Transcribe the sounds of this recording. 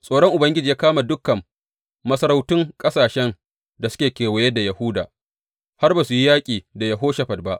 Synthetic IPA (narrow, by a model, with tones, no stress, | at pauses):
sʼoː˨ɽɔ˦ŋʔʊ˨bɐ˦ŋɡʲɪ˦d͡ʒiː˨jaː˦kaː˦ma˨dʊ˦kːɐ˨mː | ɐ˦sɐ˦ɾa˦wtɪ˦ŋkʼɐ˦saː˨ʃɛ˦n | da˨sʊ̥˦kʲeː˨kʲeː˨wɐ˨jɛ˦da˨jɐ˨hʊ˦da̰ː˨ | ha˦rbaː˨su˨ji˦jaː˦kʲʼiː˨da˨jɐ˨ɦoː˦ʃɐ˨ɸɐ˨d̚ba˦ʔ